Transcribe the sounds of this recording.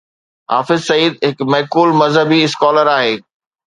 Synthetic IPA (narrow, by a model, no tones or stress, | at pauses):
ɦa̰ːfɪzsɐiːd̪̚ɦɪkmɛɦkuːlmɐzɦəbiɪskɔːləɾaːɦeː